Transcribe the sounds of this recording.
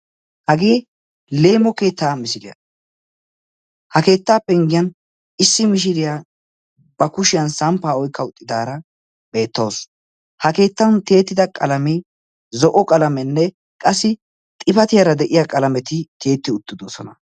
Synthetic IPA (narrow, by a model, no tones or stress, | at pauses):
hɐɡeː | leːmɔke̞ːt̪ːaːmɪsɪd̪ɪjɐ̰ | hɐke̞ːt̪ːaːpːɛɪŋɡɪjɐn | ɪsːɪmɪʃ̬ɪɾɪja | b̥ɐkʊʃɪjɐnsɐmpːaːɔjkʰːɐʊt̪ʼːɪd̪aːɾɐ | be̞ːt̪ːo̞ːs | hɐke̞ːt̪ːɐnt̪e̞ːt̪ːɪd̪ɐkʼɐlɐmɪ | zɔʔɔkʼɐlɐmɛnːɛ | kʼɐsːɪ | t̪ʼɪfɐt̪ɪjaɾɐd̪ɛʔɪjakʼɐlɐmɛt̪ɪt̪ʰe̞ːt̪ːɪʊt̪ːɪd̪oːsɔnɐ̰